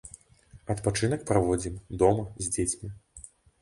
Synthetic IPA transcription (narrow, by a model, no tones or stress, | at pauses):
ɐt̪pat͡ʂɨn̪ɐk̚pɾavɔd͡zʲimd̪ɔmɐzʲd͡zʲet͡sʲmʲi